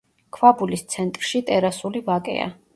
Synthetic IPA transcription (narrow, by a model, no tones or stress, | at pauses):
kʰvabulist̪sʰɛnt̪ʼɾʃit̪ʼɛɾasulivakʼɛ̰a̰